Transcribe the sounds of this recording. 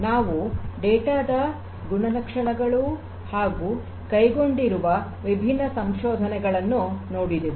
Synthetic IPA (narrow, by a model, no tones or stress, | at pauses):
naːʋuɖɛːʈaːd̪ɐ | ɡuɳɐnɐkʂɐɳɐɡɐɭu | haːɡuː | kɐjɡo̞ɳɖiɾuʋɐ | ʋibʱinːɐsɐmʃɔːd̪ʱɐnɛɡɐɭɐnːunoːɽid̪iʋi